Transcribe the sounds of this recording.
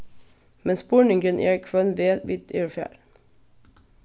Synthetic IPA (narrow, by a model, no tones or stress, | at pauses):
mɛnspʊɳɪŋɡənʔḛːɹkʰʋœnʋeːʋɪt̪ʰeːɹfjæ̰ːɾ